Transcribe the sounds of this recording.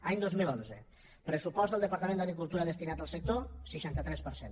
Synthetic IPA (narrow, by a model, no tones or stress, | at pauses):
aɲd̪ozmilonzə | pɾəsupɔzt̪d̪əlˠd̪əpaɾt̪əmẽnd̪əɣɾikulˠt̪uɾaðəst̪inat̪əlˠsək̚t̪osəʃant̪ət̪ɾɛspəɾsen